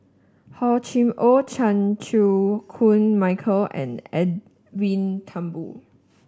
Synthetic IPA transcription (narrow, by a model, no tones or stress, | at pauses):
hɔt͡ʃĩmʔot͡ʃʰãnt͡ʃʰukʰũnmaɪkʰəlɛ̰̃nɛd | vĩntʰãmbṵ